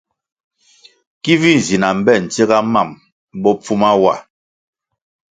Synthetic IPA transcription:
ki˦vi˦n˨zi˨na˨m̩˨bɛ˦˨n̩˨t͡se˦ɡa˦ma˦˨m | bɔ˦p͡fu˦ma˦wa˨

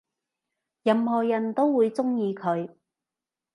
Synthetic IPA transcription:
jɐ˧mɦɔː˨jɐ˨˩nt̪o˥wwuː˨˧jt͡sʊ˥ŋjiː˧kʰɵ˨˧ɥ

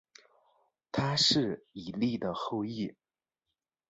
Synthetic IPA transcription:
t̪ʰa˥ʂɻ̩˥˩i˨˩li˥˩d̪ə˩xo˥˧ʊi˥˩

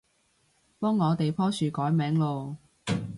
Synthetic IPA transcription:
pɔː˥ŋːɔː˨˧t̪e˨jpʰɔː˥syː˨kɔː˨˥jmɛː˨˥ŋlo˨˧w

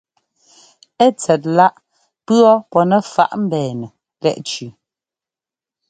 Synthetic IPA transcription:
ɛ˦t͡sɛ˨t̚la˦ʔ | pɰɔ˦pɔ˨nɛ˨fa̰˦ʔm̩˦bɛː˨nə˨ | lɛ̰˦ʔt͡ʃʉ˨

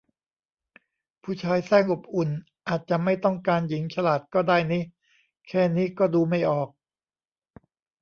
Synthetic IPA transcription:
pʰuː˥˩t͡ɕʰaː˧jsɛː˥˩ŋʔo˨˩p̚ʔu˨˩n | ʔaː˨˩t̪̚t͡ɕa˨˩ma˥˩jt̪ɔ˥˩ŋkaː˧nji˩˦ŋt͡ɕʰa˧laː˨˩t̪̚kɔː˥˩daː˥˩jniː˦˥ | kʰɛː˥˩niː˦˥kɔː˥˩duː˧ma˥˩jʔɔː˨˩k̚

